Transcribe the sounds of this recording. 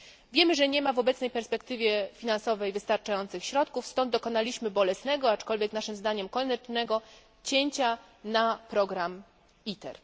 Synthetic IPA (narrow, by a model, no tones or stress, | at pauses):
vʲjɛmɘʐɛɲɛmavɔbɛt̪snɛjpɛɾspɛkt̪ɘvʲjɛfʲinansɔvɛjvɘst̪aɾt͡ʂajɔnt̪sɘxɕɾɔt̪kufst̪ɔnd̪̚d̪ɔkɔnalʲiɕmɘbɔlɛsnɛɡɔat͡ʂkɔlvʲjɛknaʂɘmzd̪aɲɛmkɔnɛt͡ʂnɛɡɔ | t͡ɕeɲt͡ɕa | napɾɔɡɾam | it̪ɛ̰ɾ